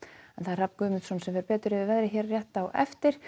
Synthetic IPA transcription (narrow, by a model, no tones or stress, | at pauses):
ɛnθaðr̥apkʏːmɪnt̪sɔnsɛmvɛɾpɛːt̪ʏɾɪvɪvɛðɾɪçɛːɾrjɛht̪awʔɛft̪ɪɾ̥